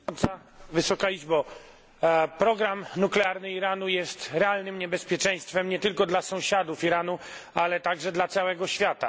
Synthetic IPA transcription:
ɾd̪za | vɘsɔkaid͡ʐbɔ | pɾɔɡɾamnuklɛaɾnɘiɾanujɛst̪ɾɛalnɘmɲɛbɛspʲjɛt͡ʂɛ̃j̃st̪fɛmɲɛt̪ɘlkɔd̪lasɔ̃w̃ɕad̪ufiɾanu | alɛt̪aɡʐɛd̪lat̪sawɛɡɔɕfʲjat̪a̰

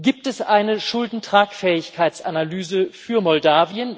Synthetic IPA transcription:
ɡ̥iːp̚tɛsʔaɪnəʃʊldn̩tʁ̥aːkfɛːɪçkʰaɪt͡sanalyːzəfyːɐmɔldaːviən

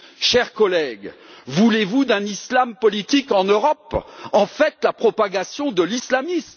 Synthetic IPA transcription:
ʃɛʁkɔlɛɡvulevud̪ɛ̃nislampɔlit̪ikɑ̃nøʁɔpɑ̃fɛt̪lapχɔpaɡasjɔ̃d̪əlislamism

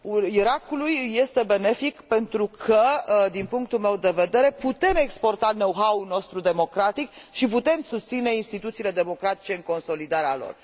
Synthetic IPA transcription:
uiɾakulujːe̞st̪e̞be̞ne̞fikpe̞nt̪ɾukʰəd̪inpuŋk̚t̪ulme̞wd̪e̞ve̞d̪e̞ɾe̞put̪e̞me̞kspo̞rt̪anowɦauno̞st̪ɾud̪e̞mo̞kɾat̪ik | ʃiput̪e̞msust̪sine̞inst̪it̪ut̪siːle̞d̪e̞mo̞kɾat̪i̥t͡ʃe̞ɨŋko̞nso̞lid̪aɾealo̰r

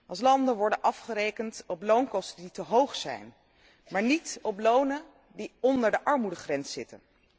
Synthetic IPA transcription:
ʔɑlˠs̬lɑndənʋɔɹdənʔɑfχəɾejkəntɔplownkɔstənditəɦowχsɛ̰jn | maːɹnitɔplownə | diɔndəɹdəʔɑɹmudəχrɛnsɪtə̰n

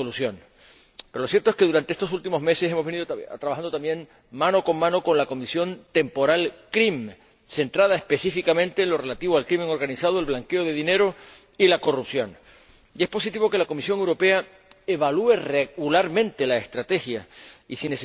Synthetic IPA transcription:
olusjo̞n | peɾolosje̞ɾt̪oeske̞ðuɾant̪eest̪osult̪imo̞zme̞sese̞moβe̞niðot̪ɾaβaxand̪ot̪ambje̞n | mãno̞ko̞ŋmãno̞ko̞nlako̞misjo̞nt̪e̞mpo̞ɾalkɾim | se̞nt̪ɾað̞aespe̞sifikamẽ̞nt̪eːnlo̞re̞lat̪iβoalkɾimẽ̞ŋo̞ɾɣanisaðoelβlaŋke̞o̞ðe̞ðine̞ɾo̞ | ilako̞rupsjo̞n | ie̞spo̞sit̪iβo̞ke̞lako̞misjo̞ŋe̞wɾo̞pe̞a | eβalue̞reɣulaɾmẽ̞nt̪e̞laest̪ɾat̪e̞xjaisinese

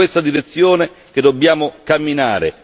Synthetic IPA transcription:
west̪ad̪iɾet̪sːjoːne | k̟ed̪ːobjaːmʊkamːinaːɾḛ

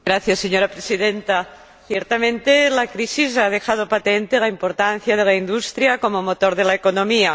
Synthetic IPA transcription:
ɾaθjasːeɲoɾapɾesiðent̪a | θjeɾt̪amẽnt̪elakɾisizað̞exað̞opat̪ent̪elaimpoɾt̪an̟θjað̞elaind̪ust̪ɾjakomomot̪oɾðelaekonõmia

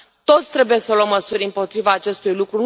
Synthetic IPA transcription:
t̪o̞t̪sʲt̪ɾe̞buje̞səluəmːəsuɾʲɨmpo̞t̪ɾivaːt͡ʃe̞st̪ujlukɾun

